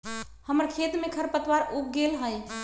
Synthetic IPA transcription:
həməɾkʰet̪mekʰəɾpət̪waɾuk̚ɡelɦəj

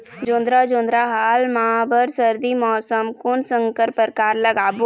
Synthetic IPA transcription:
d͡ʒõːnd̪ɾad͡ʒõːnd̪ɾaɦaːlmaabəɾsəɾd̪imɔːsəmkʊnsə̃ŋkəɾpəɾkaːɾləɡaːbo

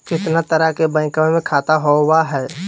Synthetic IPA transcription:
kɪt̪nat̪əɾəɦkebə̃ːɪ̃kamẽmẽkʰaːt̪aɦowaɦɛː

